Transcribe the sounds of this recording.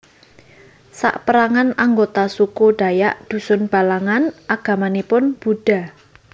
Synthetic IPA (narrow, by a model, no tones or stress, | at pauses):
sa̰ʔpəɾaŋanaŋɡot̪asukuɖ̥a̤jaʔd̪̥ṳsʊnb̥a̤laŋanʔaɡ̥ä̤manepʊnb̥ṳɖ̥a̤